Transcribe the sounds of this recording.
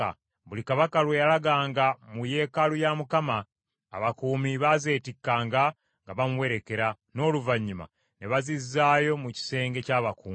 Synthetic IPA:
a̰ | βulikaβakalwe̞jalaɡaːŋɡamuje̞kalujamukama̰ː | βakuːmiβaze̞ːtikːaːŋɡa | ŋɡaβamuwe̞ɾe̞ke̞ɾa | no̞ːluvaɲːima̰ | ne̞βazizːaːjo̞muci̥se̞ːŋɡe̞caːβakuːmi

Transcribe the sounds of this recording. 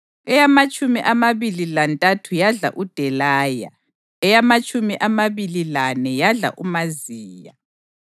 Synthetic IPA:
ɛjamat͡ʃʼumiʔamaβililantʼatʰujaɮa̰ʔud̥ʱɛlaːja̰ | ɛjamat͡ʃʼumiʔamaβililanɛjaɮa̰ʔumaziːja

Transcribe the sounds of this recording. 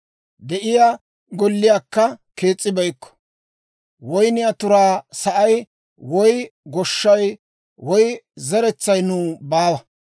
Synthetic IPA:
d̪ɛʔɪjaː | ɡɔlːɪjaːkːɐke̞ːt͡sʼːɪbɐjkːɔ̥ | wɔjnɪɐt̪ʊɾaːsɐʔɐj | wɔjɡɔʃːɐj | wɔjzɐɾɛt͡sːɐjnũːbaːwɐ

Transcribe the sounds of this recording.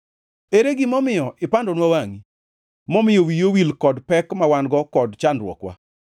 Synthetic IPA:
eɾeɡɪmɔmɪjɔʔɪpandɔnwawaŋi | mɔmɪjowijowilkɔdpɛkmawanɡɔkɔdt͡ʃandɾwɔ̰kwa̰

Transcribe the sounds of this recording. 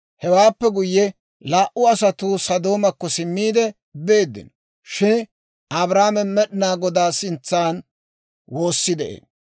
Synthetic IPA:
hɛwaːpːɛɡʊjːɛ | laːʔʊɐsɐt̪uːsɐd̪o̞ːmɐkːɔsɪmːiːd̪ɛ | be̞ːd̪ːɪ̰n | ʃɪn | ɐbɾaːmɛmɛɗɪnaːɡɔd̪aːsɪnt͡sːaːn | wo̞ːsːɪd̪ɛʔḛːn

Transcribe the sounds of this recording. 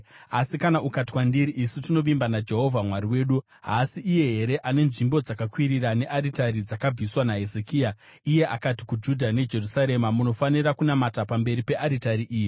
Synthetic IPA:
asikanaʔukati̥kwandiɾiʔisutino̞ʋimbanad͡ʒe̞ɦo̞vʱamwaɾiwe̞ːɗu | ɦasiʔːje̞ɦe̞ɾe̞ʔane̞nʐimbo̞d͡zakakwiɾiɾane̞ʔaɾitaɾid͡zakab͡viswanaɦe̞zekiːa | ije̞ʔa̰kati̥kud͡ʒudʱane̞d͡ʒe̞rusaɾe̞mamuno̞faniɾakunamatapambe̞ɾipe̞ʔaɾitaɾiʔiːji

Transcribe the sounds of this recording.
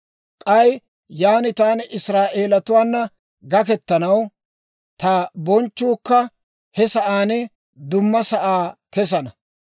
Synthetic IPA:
kʼɐj | jaːnɪt̪aːnʔɪsɾaːʔeːlɐt̪ʊwaːnːɐ | ɡɐkɛt̪ːɐnɐw | t̪aːbɔnt͡ʃːuːkːɐ | hɛsɐʔaːnɛ | d̪ʊmːɐsɐʔaːkɛs̬ɐnɐ

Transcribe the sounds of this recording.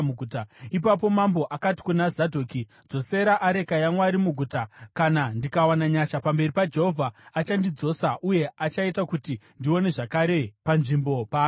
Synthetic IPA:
uɡʱutaipap̬o̞mambo̞ʔakati̥kunazadʱoːki | d͡zo̞se̞ɾaʔaɾe̞kajaŋwaːɾimuɡʱuːtakanandikawanaɲaʃapambe̞ripad͡ʒe̞ɦovʱaːt͡ʃandid͡zo̞ːsaʔuje̞at͡ʃaitakutindio̞ne̞ʐakaɾe̞panʐimbo̞paː

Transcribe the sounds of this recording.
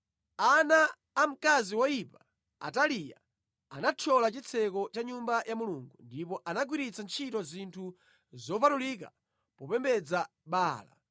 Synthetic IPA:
anaː | m̩kaziwɔjipḁ | a̰talija̰ | anat͡ʃʰɔlat͡ʃit͡sʰɛkɔt͡ʃaɲumbajʔamuluŋɡundipɔʔanaɡwiɾit͡sant͡ʃʰitɔzintʰu | zɔpatulik̬a̰ | pɔpɛmbɛd͡za | ɓaːla̰

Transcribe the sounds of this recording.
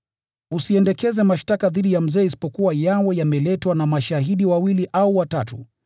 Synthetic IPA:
usiɛndɛkɛzɛmaʃtakaðiɗijam̩zɛːisi̥pɔkuwajawɛjamɛlɛtwanamaʃaɦiɗiwawiliʔauwatatu

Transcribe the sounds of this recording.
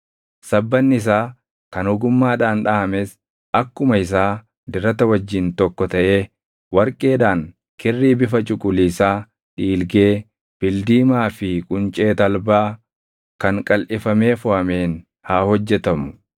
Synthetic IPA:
sɐbːɐnːɪɪs̬aː | kɐnhʊɡʊmːaːᶑaːnᶑaːɐmeːs | ɐkːʊmɐɪs̬aː | d̪ɪɾɐt̪ɐwɐd͡ʒːɪnt̪ɔkːɔt̪ɐʔe̞ː | wɐɾkʼe̞ːᶑaːŋ | kɪrːiːbɪfɐt͡ʃʼʊkʼʊliːsaː | ᶑiːlɡeː | b̥ɪld̪iːmaːfɪkʼʊnt͡ʃʼe̞ːt̪ɐlbaː | kɐŋkʼɐlʔɪfɐme̞ːfʊhɐme̞ːn | haːhɔd͡ʒːɛt̪ɐmʊ̥

